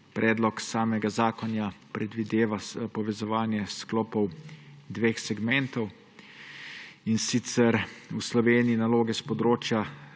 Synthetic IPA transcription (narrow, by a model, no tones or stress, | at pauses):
pɾɛːd̪lɔksaːmɛɡazaːkɔnjapɾɛd̪ʋid̪eːʋaspɔʋɛzɔʋaːnjɛsklɔːpɔwd̪ʋeːxsɛɡmɛnt̪ɔw | insit̪sɛɾuslɔʋeːniinaloːɡɛspɔd̪ɾoːt͡ʃja